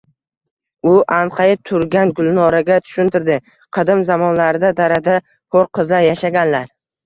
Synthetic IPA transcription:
ʊʔanqʰɑɪt̪ʰʊɾɡʲanɡʊlˠnɒɾaɡʲat̪ʰʊ̥ʃʊnt̪ʰɪɾd̪ɪ | qʰɨd̪ɪmzamɒnlaɾɪd̪ad̪aɾad̪a | qʰoɾqʰɨzajaʃaɡʲanlaɾ

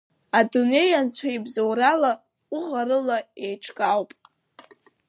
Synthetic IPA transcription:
adune̞jant͡ɕʷʰaibzowrala | uʁaɾɨlaejʈ͡ʂʰkʼawpʼ

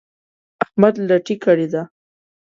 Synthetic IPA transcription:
ahmad̪laʈikaɽid̪a

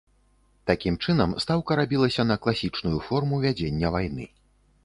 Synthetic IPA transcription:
t̪akʲimt͡ʂɨnɐmst̪awkɐɾabʲilˠɐsʲɐnɐklˠasʲit͡ʂnujufɔrmuvʲad͡zʲenʲːɐvajnɨ̰

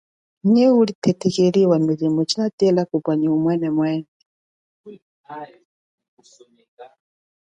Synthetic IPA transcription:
ɲɛulit̪ʰɛt̪ʰɛkeɺiwamizimɔt͡ʃʰinat̪iɛlakupaɲiumwɛnɛmwɛːnɛ

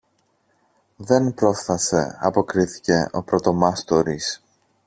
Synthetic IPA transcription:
ðe̞npɾo̞sθɐse̞̰ɐpo̞kɾiθi̥ce̞ʔo̞̰pɾo̞t̪o̞mɐst̪o̞ɾis

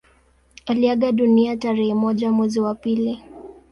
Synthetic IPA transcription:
aliaɠaɗuniataɾɛhɛmɔʄamwɛziwapili

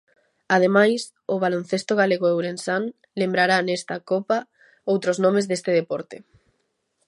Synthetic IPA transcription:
að̞emajs | ʊβalon̟θest̪oɣ̞aleɣoewɾensan | lembɾaɾanest̪akopa | owt̪ɾoznɔmezðest̪eðepɔɾt̪e

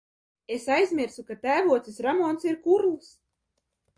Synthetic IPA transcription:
esajzʲmʲiɾsukat̪æːvuɔt̪sisɾamɔnsiɾkuɾlˠs

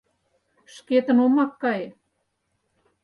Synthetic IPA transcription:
ʃket̪ə̆nomɑkːɑje

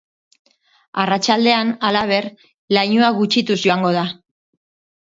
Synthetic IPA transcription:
arat͡ʃald̪e̞analaβ̞e̞r | lajɲuaɣut͡ʃit̪uzʝo̞aŋɡo̞ð̞a

